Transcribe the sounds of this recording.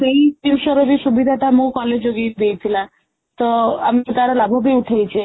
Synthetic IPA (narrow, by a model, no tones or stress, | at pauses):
seiʈimʃɔɾoɾisubid̪ʱaʈamukɔled͡ʒoɡiɾd̪ejt̪ʰilã | t̪ɔamit̪aɾolabʱobiuʈʰejt͡ʃʰe